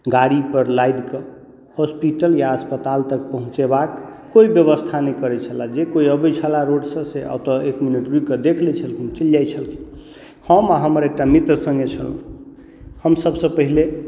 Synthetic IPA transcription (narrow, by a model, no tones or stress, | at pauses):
ɡaɽipəɾlajd̪ke | hospiʈəljaəspət̪alt̪əkpəɦũt͡ʃebakː | oibjəβəst̪ʰanəikəɾɛt͡ʃʰəlad͡ʒekoiəbət͡ʃʰəlaɾoɖsə̃sea̰t̪əekminəʈɾikəd̪ekʰlɛt͡ʃʰəlkʰint͡ʃəljajt͡ʃʰəlkʰi̥ | həmaɦəməɾek̚ʈamit̪ɾəsə̃ŋɡet͡ʃʰə̰l | həmsəbsə̃pəɦile